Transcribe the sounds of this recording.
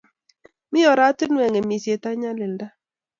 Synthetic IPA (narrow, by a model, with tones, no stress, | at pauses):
mɪ˦jɔ˨ɾa˦tɪ˦nwɛ˨ŋɛ˨mi˨se˨ta˦ɲa˦lɪ˨nda˦